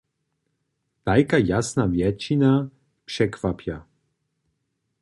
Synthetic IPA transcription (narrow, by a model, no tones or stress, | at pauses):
t̪ajkajasnavjɛt͡ʃina | pʂɛkvapja